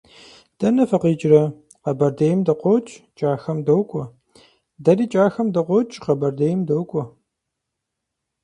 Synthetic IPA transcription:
d̥ɐnɐfɐqiːt͡ʃʼrɐ | qɐbɐrdejmdɐqʷɔwt͡ʃʼt͡ʃʼaːxɐmdɐwkʷʼɔ | dɐɾiːt͡ʃʼaːxɐmdɐqʷɔt͡ʃʼqɐbɐrdejmdowkʷʼɔ

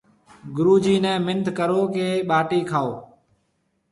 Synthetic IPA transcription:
ɡʊɾuːd͡ʒiːnɛ̃ːmɪnd̪ʱkəɾoːkeːɓaːʈiːkʰaːoː

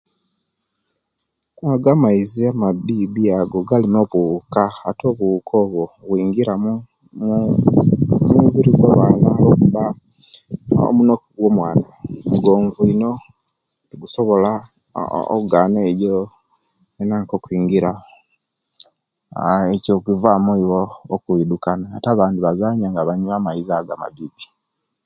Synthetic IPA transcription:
aɡamaiziamabiβiaɡo̞ɡalimoβukaato̞ːβuukʰo̞βoɣwiːŋɡiɾamu | m | muβiɾiɡwaβaːnalokuβa | o̰munokuɡwo̞mwaːnamuɡo̞ːɱvuino̞ | niɡusoβo̞la | o̰uɡaːnejo | enaːŋkokwiːŋɡiɾa | ecokivamoiβoːkuidukanaːtaβaːndiβazaɲaŋɡaβaɲuamaizaɡama̰βipi̥

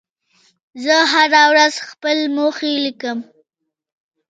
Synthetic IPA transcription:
zəɦaɾawɾazxpəlmoxelikəm

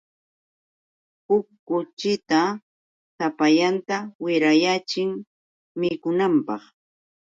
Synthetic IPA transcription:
ʊkːʊt͡ʃɪt̪a | sapaʎant̪awɪɾajat͡ʃɪŋ | mɪkʊnampɑχ

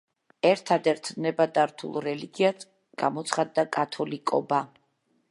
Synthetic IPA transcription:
ɛɾt̪ʰad̪ɛɾt̪ʰnɛbad̪aɾt̪ʰṵlˠɾɛliɡiat̪ | ɡ̥a̰mɔt̪sχad̪ːakʼat̪ʰɔlikʼɔba

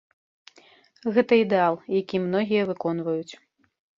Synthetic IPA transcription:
ɣɛt̪ɐid̪ɛalˠjakʲimnɔɣʲijɐvɨkɔn̪vɐjut͡sʲ

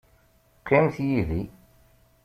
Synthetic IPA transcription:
qʰːɪmθjiði

